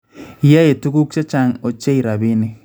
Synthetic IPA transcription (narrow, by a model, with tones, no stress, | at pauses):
ja˦je˨tu˦ku˦k̚t͡ʃe˦t͡ʃa˦ŋo˨t͡ʃe˦i˨ɾa˨bi˦nɪ˦